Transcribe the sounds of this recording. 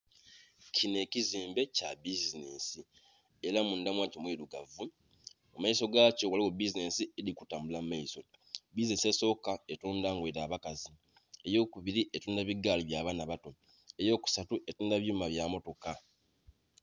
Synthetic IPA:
cʰine̞ciziːmbe̞cabizinesi | eɾamundamwaːcomwiːɾuɡavu | omaiso̞ɡaːcowaliwobizine̞sielikutaːmbulamːaiso̞ | bizinese̞so̞ːkae̞tuːndaːŋɡweɾaːβakazi | e̞jo̞ːkuβiɾiʔetuːndaβiɡaːliβjaːβanaβato̞ | e̞jo̞ːku̥satuʔe̞tuːndaβjuːmaβjamo̞to̞ka

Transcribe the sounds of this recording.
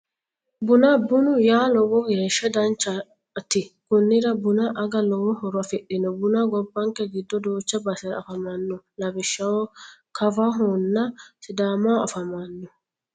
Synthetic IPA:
bʊnɐbʊnʊjaːlɔwɔɡeːʃːɐd̪ɐnt͡ʃːɐ | t̪ɪkʊnːɪɾɐbʊnɐʔɐɡɐlɔwɔɦɔɾʊɐfɪɗɪnɔbʊnaɡɔbːɐŋkɛɡɪd̪ːɔd̪uːt͡ʃːɐbɐsɐɾ̰ɐ̰fɐmɐnːʊlɐbɪʃːɐwɔkɐvaɦɔnːɐsɪd̪aːmaɐ̰fɐmɐnːʊ

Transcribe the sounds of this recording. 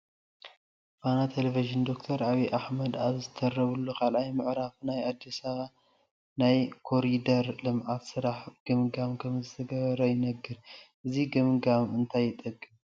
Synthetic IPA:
fanat̪ʰeleviʒɨnd̪o̞kt̪ʰɐɾaβiʔaħmɐd̪aβzɨt̪ʰɐɾːɐβulːukʰalʔajmɨʕɾafnajad̪ːisɐβa | najkʰoɾid̪ɐɾlɨmʕat̪sɨɾaħɡ̥ɨmɡamkʰɐmzɨt̪ʰɐɡɐβɐɾɐjɪnɐɡːɨɾʔɨziɡɨmɡamɨnt̪ʰajːɪt̪ʼɐkʼːɨm

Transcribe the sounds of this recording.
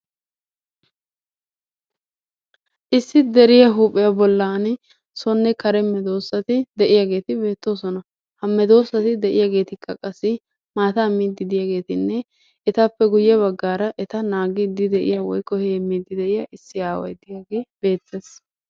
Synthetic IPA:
ʔɪsːɪd̪ɛɾɪjɐɦuːpʼːɪjabɔlːaːn | sɔnːɛkɐɾɛmɛd̪o̞ːsːɐt̪ɪd̪ɛʔɪjaɡe̞ːt̪ɪbe̞ːt̪ːo̞ːsɔnɐ | hɐmːɛd̪o̞ːsɐt̪ɪd̪ɛʔɪjaːɡe̞ːt̪ɪkːɐkʼɐsːɪ | maːt̪aːmiːd̪ːɪd̪ɪjaɡe̞ːt̪ɪnːɛ | ɛt̪ɐpːɛɡʊjːɛβɐɡːaːɾɐʔɛt̪ɐnaːɡɪd̪ɪd̪ɛʔɪ̰jawɔjkːɔheːmiːd̪ːɪd̪ɛʔɪjaʔɪsːɪaːwɐ̰jd̪ɪjaːɡe̞ːbe̞ːt̪ːeːs

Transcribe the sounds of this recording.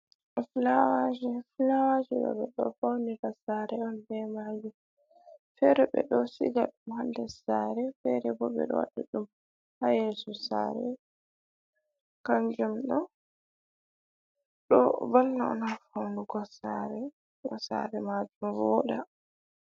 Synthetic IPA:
ʔɔflawad͡ʒiflawad͡ʒiɗɔ̰ɓɛɗɔ̰fawniɾasaːɾɛɔnbɛmad͡ʒu | fɛɾɔɓɛ̰ɗɔsḭɡaɗumhandɛsaːɾɛfɛɾɛbɔɓɛ̰ɗɔ̰wa̰ɗaɗum | hajɛsɔsa̰ːɾɛ | kand͡ʒumɗɔ | ɗɔbalnaɔ̰nafawnuɡɔsaɾɛ | ɡɔsa̰ɾɛmad͡ʒumwɔɗa

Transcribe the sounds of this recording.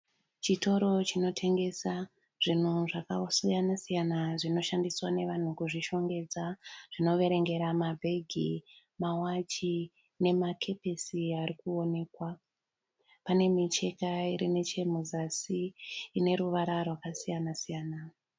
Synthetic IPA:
t͡ʃito̞ɾo̞t͡ʃino̞tʰe̞ŋɡe̞sa | ʐ̥in̤uʐakasijanasijanaʐino̞ʃandiswane̞ʋan̤ukuʐiʃo̞ŋɡe̞d͡zaʐ̥ino̞ʋe̞ɾe̞ŋɡe̞ɾamabʱe̞ɡʱi | mawat͡ʃi | ne̞makʰe̞pe̞siaɾikuo̞ne̞ːkwa | pane̞mit͡ʃe̞kaiɾine̞t͡ʃe̞muzasiːne̞ɾuʋaɾarwakasijanasijaːna

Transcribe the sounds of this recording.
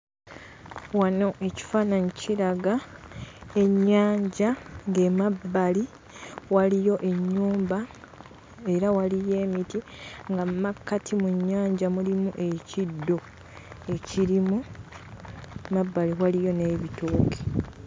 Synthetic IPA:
wano̞ʔe̞ci̥faːnaɲuciɾaɡa | e̞ɲːaːɲɟaŋɡemabːali | walijo̞ʔe̞ɲːuːmba | e̞ɾawalije̞ːmitiŋɡammakːatʰimuɲːaːɲɟamulimuʔe̞cidːo̞ | e̞ciɾimu | mabːaliwalijo̞ne̞βituːki̥

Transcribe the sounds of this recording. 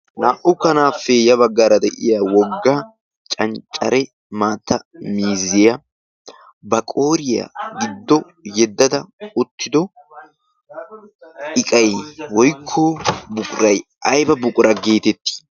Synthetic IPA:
naːʔʊkːɐnaːfːɛjɐβɐɡːaːɾɐd̪ɛʔɪjawɔɡːa | t͡ʃʼɐnt͡ʃʼɐ̰ɾɛ | maːt̪ːɐmiːzːɪjɐ | bɐkʼo̞ːɾɪja̰ɡɪd̪ːɔ | jɛd̪ːɐd̪ɐʊt̪ʰːɪd̪ɔ | ɪkʼɐjwɔjkʰːobʊkʼɾɐjʔɐjbɐbʊkʼʊɾɐɡe̞ːt̪ɛt̪ːi̥

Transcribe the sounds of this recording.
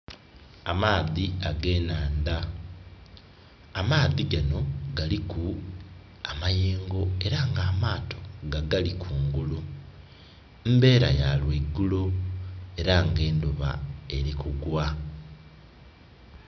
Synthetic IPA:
a̰maːðiaɡe̞ːnaːnda | maːðiɡano̞ɡaliku | amajeːŋɡo̞e̞ɾaŋɡaːmaːto̞̥ɡaɡalikʰuːŋɡulu | mbe̞ːɾa̰jalweɡːulo | e̞ɾaŋɡe̞ːnduβa̰e̞ɾikuɡwa

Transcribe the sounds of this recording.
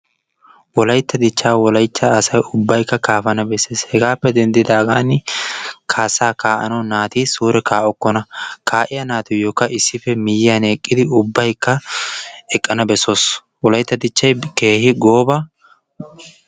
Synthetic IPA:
wɔlɐjt̪ːɐd̪ɪt͡ʃːaːwɔlɐjt͡ʃːɐːsɐjʊbːɐjkːɐkaːfɐnɐbɛsːeːshɛɡaːpːɛd̪ɛnd̪ɪd̪aːɡaːn | kʰaːsaːkaːʔɐ̰nɐwnaːt̪iːsuːɾɛkaːʔɔkːɔnɐkaːʔɪjɐnaːt̪ʊjɔkːɐʔɪsːɪfɛmɪjɪɐneːkʼːɪd̪ɪʊbːɐjkːɐ | ɛkʼːɐnɐbɛsoːs | wɔlɐjt̪ːɐd̪ɪt͡ʃːɐjke̞ːhɪɡo̞ːbɐ

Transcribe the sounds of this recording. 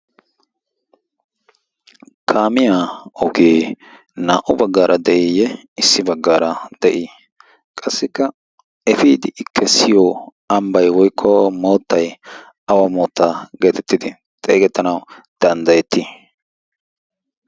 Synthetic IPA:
kʰaːmɪjaːɔɡeː | naːʔʊbɐɡːaːɾʔɐd̪ɛʔɪjɛ | ɪsːɪbɐɡːaːɾɐd̪̥ɛʔɪ | kʼɐsːɪkːɐ | ɛfiːd̪ɪʔɪkʰːɛsɪjoː | ɐmbɐjwɔjkʰːɔmo̞ːt̪ːɐj | ɐwɐmo̞ːt̪ːaːɡe̞ːt̪ɛt̪ːɪd̪ɪ | t̪ʼeːɡɛt̪ːɐnɐwd̪̥ɐnd̪ɐjɛt̪ːi

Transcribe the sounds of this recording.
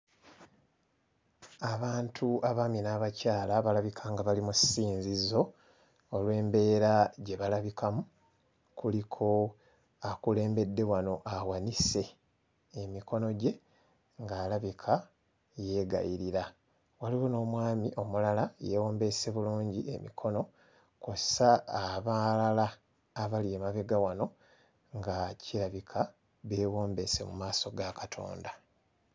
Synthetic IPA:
aβaːntʰuʔaβaːminaːβacaːlaβalaβikʰaŋɡaβalimusiːnzizo̞ː | lwe̞ːmbe̞ːɾaɟe̞βalaβikʰamu | kulikʰo̞ | akule̞ːmbe̞dːe̞wano̞ʔawanise̞ː | mikʰo̞no̞ɟe̞ | ŋɡaːlaβikʰa | je̞ːɡa̰jiɾiɾa | waliwono̞ːmwaːmiʔo̞mulalajewo̞ːmbe̞se̞βuluːɲɟiemḭkʰo̞no̞ | kossaːβalalaː | βalieːmaβe̞ɡawano̞ | ŋɡaciɾaβikʰa | βeːwo̞ːmbe̞se̞̰mumaːso̞ɡakḁtʰo̞̰ːnda

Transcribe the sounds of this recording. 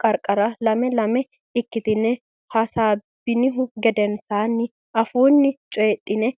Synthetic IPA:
kʼɐɾkʼːɐɾɐlɐmɛlɐmɛ | ɪkːɪt̪ɪnɛ | hɐsaːbɪnɪɦʊɡɛd̪ɛnsaːnːɪ | ɐfuːnːɪt͡ʃʼeːtʼːɪnɛ

